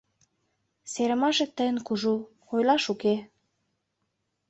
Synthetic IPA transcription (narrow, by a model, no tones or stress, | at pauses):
seɾə̆mɑʃĕt̪ːəjə̆nkuʒu | ojlɑʃuke